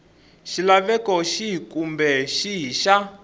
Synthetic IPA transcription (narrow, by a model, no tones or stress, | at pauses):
ʃilaβɛkɔʃiɦikumbɛʃiɦiʃa